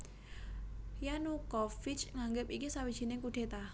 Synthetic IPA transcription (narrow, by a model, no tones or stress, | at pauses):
janukɔfit͡ʃŋaŋɡɪpikisawid̥ʒ̥i̤nɪŋkuɖ̥e̤t̪a